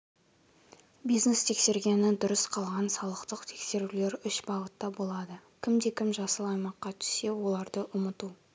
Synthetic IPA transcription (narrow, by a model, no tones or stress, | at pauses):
biznest̪ʰe̞kse̞ɾɡʲe̞nɪd̪ʊɾəsqʰɑlˠʁɑnsɑlˠəqt̪əqt̪ʰe̞kse̞ɾule̞ɾʏʃbɑʁət̪ːɑbo̞lˠɑd̪əkʲʰɪmd̪e̞kʲʰɪmʒɑsəlˠɑjmɑqːɑt̪ʰʏ̥se̞wo̞lˠɑɾd̪əʔʊmət̪u